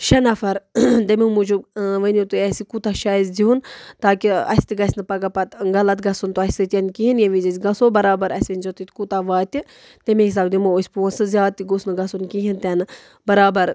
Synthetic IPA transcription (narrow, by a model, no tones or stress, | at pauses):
ʃɐnɐfɐɾd̪ɐmʲimud͡ʒuʋənot̪uɛsikut̪aʃaːjizd͡ʒiunt̪aːkiɐ̰sʲt̪iɡɐsʲnɨpɐɡapɐt̪ɡɐlɐt̪̚ɡɐsunt̪oɐsʲsɨt̪ʲɐnkiɦinjɐʋizizʲɡɐsobɐɾaːbɐɾɐsʲʋinʲd͡ʒot̪it̪ʲkut̪aʋaːt̪ʲi | t̪emʲẽɦis̬aːbd̪imoosʲpuːnsɨzʲjaːt̪iɡusnɨɡɐsunkiɦint̪ɐnɨ | bɐɾaːbɐɾ